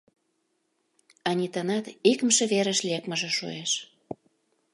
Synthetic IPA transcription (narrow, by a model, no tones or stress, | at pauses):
ɑnʲit̪ənɑt̪ikə̆mʃĕβeɾə̆ʃlekməʒĕʃṵeʃ